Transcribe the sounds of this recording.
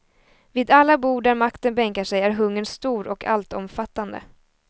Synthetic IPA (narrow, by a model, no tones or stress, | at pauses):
viːd̪alːabuːɖæɾmakt̪ənbɛŋkaʂɛjæɾɦɵŋːənst̪uːɾʔɔkʰa̰lt̪ɔmfat̪ːand̪ə̰